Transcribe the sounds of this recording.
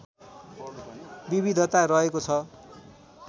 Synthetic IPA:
biβid̪ʱʌt̪aɾʌekot͡sʰʌ

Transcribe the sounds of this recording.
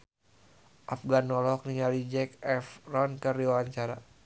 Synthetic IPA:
ʔafɡanɔlɔk̚niŋalid͡ʒɛkɛfrɔnkɨrdiwawaɲt͡ʃaɾa

